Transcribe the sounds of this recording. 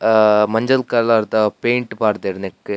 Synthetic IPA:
mɐɲd͡ʑɐlkaːɾlaːɾt̪ːapejɳʈɨpaːɾt̪ɐɾnekːɨ

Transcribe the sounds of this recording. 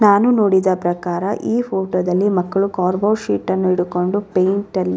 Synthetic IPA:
naːnuno̞ːɽid̪ɐpɾɐkaːɾɐʔiːpʰoːʈoːd̪ɐlːimɐkːɐɭukaːɾbɐwʃiːʈːɐnːuiɽuko̞ɳɖupejɳʈɐlːi

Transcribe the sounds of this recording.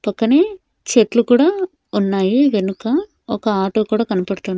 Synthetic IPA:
pɐkːɐneː | t͡ʃeʈlukuːɽaː | unːaːjiʋenukɐ | ɔkɐaːʈo̞ːkuːɽaːkɐnɐpɐɽt̪un

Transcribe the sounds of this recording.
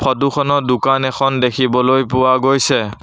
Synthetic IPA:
pʰɔtukʰɔnɔdʊkanɛkʰɔndekʰibɔlojpʊwaɡojsɛ

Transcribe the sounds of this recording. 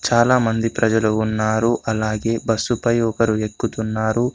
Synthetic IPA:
t͡ʃaːlaːmɐnd̪ipɾɐd͡ʒɐluːnːaːɾuʔɐlaːɡe̞ːbɐsːupɐjɔkɐɾuekːut̪unːaːɾu

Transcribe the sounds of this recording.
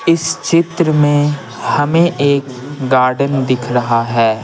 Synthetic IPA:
ɪst͡ʃɪt̪ɾəmẽ | hɐmẽʔeːk | ɡaːɾɖənd̪ɪkʰɾɐɦaɦɛː

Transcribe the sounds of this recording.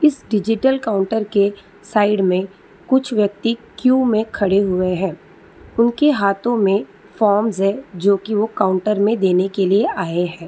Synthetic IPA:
ɪsɖɪd͡ʒɪʈəlkaːʊ̃ɳʈəɾke | saːɪɖmẽ | kʊt͡ʃʰʋjɐk̚t̪ikjuːmẽkʰɐɽeɦʊeɦɛ̃ː | ʊnkeɦaːt̪õmẽ | fɔːɾmzɦɛ̃d͡ʒoːkiʋokaːʊ̃ɳʈəɾmẽd̪eːnekelieʔaːeɦɛ̃ː

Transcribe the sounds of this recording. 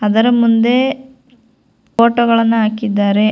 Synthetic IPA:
ɐðɐɾɐmːund̪e | poːʈːɐɣɐɭɐnːɨaːkːid̪ːaːɾe

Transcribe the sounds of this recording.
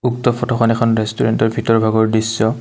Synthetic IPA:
uk̚tɔpʰɔtʰɔxɔnɛkʰɔnɹɛstuɹɛntɔɹbʱitɔɹbʱaɡɔɹdisːɔ

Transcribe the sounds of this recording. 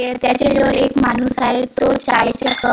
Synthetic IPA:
et̪jat͡ɕed͡zoɾekmanuːsaɦet̪ot͡ɕajɕəkə

